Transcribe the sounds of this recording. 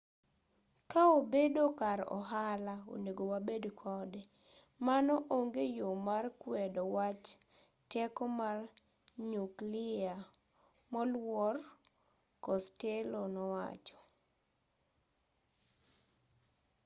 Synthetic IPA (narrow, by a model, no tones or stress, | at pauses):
kaobedokaɾɔ̰ɦalao̰neɡowabedkʰɔdɛ | manɔʔoŋɡejomarkwɛdɔwat͡ʃ | tɛkɔmar | ɲuklɪa | mɔlwɔr | kɔstelonɔwa̰t͡ʃɔ̥